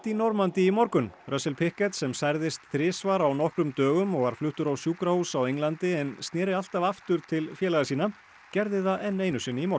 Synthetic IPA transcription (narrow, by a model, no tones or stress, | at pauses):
t̪inɔɾmant̪ɪimɔɾkʏnrœsɛlpʰɪhkɛt̪sɛmsajɾðɪst̪θɾɪːsvaɾawnɔhkɾʏmt̪œːɣʏmɔɣvaɾ̥flʏht̪ʏɾawsjuːkɾahusawejŋlant̪ɪɛnst̪nɛːɾɪal̥t̪avaft̪ʏɾt̪ʰɪlfjɛːlaɣasiːna | cɛɾðɪθaɛnːejnʏsɪːnɪimɔɾ